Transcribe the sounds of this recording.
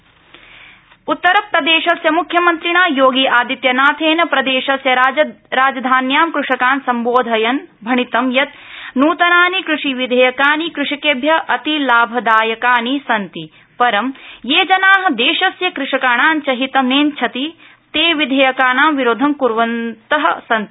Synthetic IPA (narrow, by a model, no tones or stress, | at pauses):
ut̪ːɐɾɐpɾɐd̪eːʃɐsjɐmukʰjɐmɐnt̪ɾiɳaːjoːɡiʔaːd̪it̪jɐnaːt̪ʰeːnɐpɾɐd̪eːʃɐsjɐɾaːd͡ʒɐd̪ʱaːnjaːmkɾuʂɐkaːnsɐmboːd̪ʱɐjɐnbʱɐɳit̪ɐmjɐt̪̚ | nuːt̪ɐnaːnikɾuʂiʋid̪ʱejɐkaːnikɾuʂikeːbʱjɐʔɐt̪ilaːbʱɐd̪aːjɐkaːnisɐnt̪i | pɐɾɐmjeːd͡ʒɐnaːɦɐ̆d̪eːʃɐsjɐkɾuʂɐkaːɳaːnt͡ʃɐɦit̪ɐmeːnt͡ʃʰɐt̪i | t̪eːʋid̪ʱejɐkaːnaːmʋiɾoːd̪ʱɐmkuɾʋɐnt̪ɐɦɐsɐnt̪i